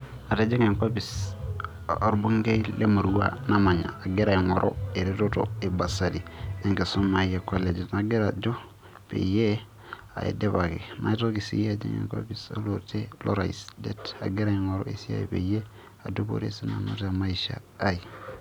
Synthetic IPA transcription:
a˨ta˦d͡ʒe˦ŋe˨ŋkʷa˦bi˨s | o˨ɾbu˦ŋɡe˦i˦le˦ma˨ɾu˦wa̰˦na˦ma˨ɲa̰˨a˨ɡe˦ɾa˨i˨ŋo˨ɾʔo̰˦e˨ɾi˦ɾo˦to̰˨e˨ba˨sa˨di˨e˦ŋɡe˨so˦ma˨je˨ko˦le˨d͡ʒi˨tna˨ɡe˦ɾa˨d͡ʒo˦ | pḛ˨je˦ | a̰˨ḭ˨de˦βa˨kḛ˨na̰˦i˦to˦ki˨sḭ˦ja˦˨d͡ʒḛ˦ŋḛ˨ŋkʷa̰˦bi˨so̰˦lo˨ɾte˦lo̰˦ɾa̰˨i˨sde˦ta̰˨ɡe˦ɾa˨i˨ŋo˨ɾo̰˦ḛ˨si˦a̰˨jḭ˨pḛ˨je˦ | a˨do˦bo̰˦ɾḛ˦si˦na̰˨no̰˦ta˨ma˦iʃa̰ː˨˦i˨

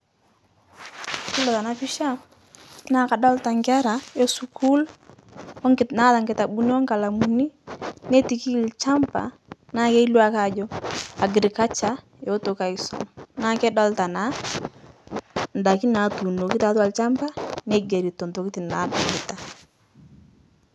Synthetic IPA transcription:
ki˦lɔ˨ta˨na˦fi˦ʃa˦ | na˨˦˨ka˨dɔ˦lta˨ŋɡa˦ɾa˨jo˦su˨kʰu˦l | ɔ˦ŋ˨na˦ta˨ŋɡɪ˨ta˨bu˦ni˦ɔ˦ŋka˨la˨mu˨ni˦ne˦ti˨ki˦˨lt͡ʃa˦mpa̰˨ | na˦ke˦i˦lu˦a˦ka˨d͡ʒɔ˦a˨ɡɪ˨ɾi˨ka˦t͡ʃa˨ | jo˦to˨ka˨i˨˦sɔ̰˨ŋna˦kɛ˦da˦lta˨na˨˦ | nda˨ki˦na˨tu˨no˨ki˦ta˨˦ta˨lt͡ʃa˦mba˦ne˦ɡe˨ɾi˨to˨nto˨ki˦ti˨na̰˨˦da˨ŋɡɪ˨ta˨

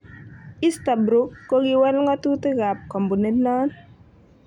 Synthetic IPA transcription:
i˦sta˨bɾo˨˦kːo˦ɡi˨wɛ˦lŋɔ˦tu˦ti˦ɣa˨p̚kɔ˨mbu˨ne˦tnɔ˦n

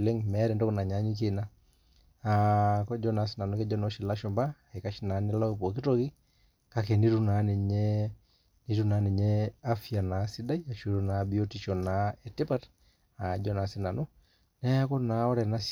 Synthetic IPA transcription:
le˦ŋmɛ˦ɾɛ˨ndɔ˦ku˦na˨ɲa˨˦ɲi˦ke˨na˦ | a˨kɔ˦d͡ʒɔ˦na˨˦si˦na˨nu˦kɛ˦d͡ʒɔ˦nɔ˦ʃi˨la˦ʃɔ˨mba˦ | e˨ka˦ʃi˦na˨˦nɪ˦lɔ˦˨po˨ki˦to˦ki˦ | ka˦kɛ˨ni˦ɾu˦na˨˦ni˨ɲɛ˦ | ni˦ɾu˦na˨˦ni˨ɲɛ˦a˦fja˨na˨si˦da˦i˦a˨ʃu˦ɾu˨na˨bi˦o˦ti˦ʃɔ˨na˨ɛ˨ti˦pa˦t | a˨d͡ʒɔ˦na˨si˦na˨nu˦ | nɛ˦a˦kɔ˦na˨˦ɔ˦ɾɛ˨na˦s

